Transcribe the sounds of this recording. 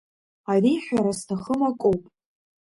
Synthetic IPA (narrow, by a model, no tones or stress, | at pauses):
ariħʷᶣaɾastʰaχəmakʷʼowpʼ